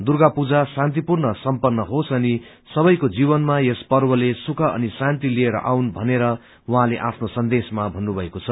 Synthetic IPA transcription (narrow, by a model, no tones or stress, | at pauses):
d̪urɡapud͡zasãnt̪ipurnʌsʌmpʌnːʌɦosʌni | sʌbʌjkod͡zibʌnmajespʌrbʌlesukʰʌʔʌ̰nisant̪ilieɾʌ̰ʔawnbʱʌneɾʌ | wuɦãleʔapʰnosʌnd̪esmabʱʌnːubʱʌekot͡sʰʌ